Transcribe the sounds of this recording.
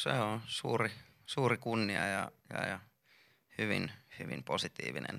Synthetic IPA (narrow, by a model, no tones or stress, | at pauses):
seonsuːri | suːrikunːiɑjɑjɑjɑ | hyʋinhyʋimposit̪ḭːʋinḛn